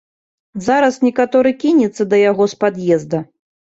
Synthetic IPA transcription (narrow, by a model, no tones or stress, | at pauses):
zaɾɐsnʲɛkat̪ɔɾɨkʲinʲɛt̪sːɐd̪ɐjaɣɔspad̪jɛzd̪ɐ